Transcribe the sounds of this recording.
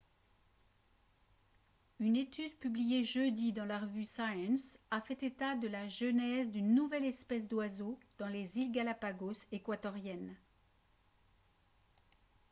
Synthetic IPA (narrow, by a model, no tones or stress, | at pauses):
ynet̪ʰyd̪pyblijeʒød̪id̪ɑ̃laʁəvysajɛ̃safɛt̪et̪ad̪əlaʒənɛzd̪ynːuvɛlɛspɛs̬d̪wazod̪̥ɑ̃lezilɡalapaɡosekwat̪ɔʁjɛn